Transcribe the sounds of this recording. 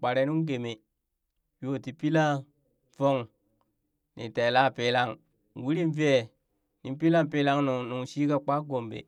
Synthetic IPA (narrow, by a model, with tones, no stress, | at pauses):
k͡pa˨ɾe˨˦nu˦ŋɡe˨me˨ | jo˦˨ti˨pi˦la˦ | vo˦ŋ | nḭ˨te˨la˦˨pe˦la˦ŋ˨ | wi˦ɾi˦nve˦˨ | ni˨m˦pi˦la˦mpe˦la˦ŋn˨nu˨ŋʃi˦ka˦k͡pa˦ɡo˨mbḛ˨